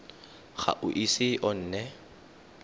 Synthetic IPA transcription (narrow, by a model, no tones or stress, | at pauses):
ɣa̰ʔʊʔisɪʔɔn̩ːnɛ